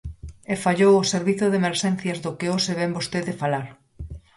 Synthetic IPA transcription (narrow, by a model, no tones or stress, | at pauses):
efaʎowoseɾβiθʊðemeɾʃɛn̟θjɐzðokeoseβɛmbost̪eðefalalʊ